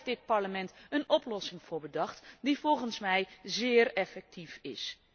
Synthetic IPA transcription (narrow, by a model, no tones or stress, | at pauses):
dɪt̚pɑɹləmɛntənɔplɔsɪŋv̥ʊːɹbədɑχtdivɔlˠχənsmɛjzɪːrɛfɛk̚tʰifɪ̰s